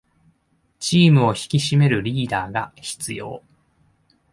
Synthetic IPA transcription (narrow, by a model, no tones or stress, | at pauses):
t͡ɕiːmɯ̟o̞çi̥kʲiɕime̞ɾɯ̟ɾʲiːd̪aːɡaçi̥t͡sɨjo̞̰ː